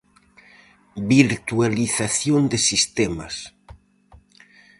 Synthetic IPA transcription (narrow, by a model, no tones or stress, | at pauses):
biɾt̪ualiθaθjond̪esist̪ɛma̰s